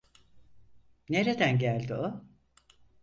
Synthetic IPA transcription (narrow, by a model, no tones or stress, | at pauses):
neɾed̪ænɟælʲd̪io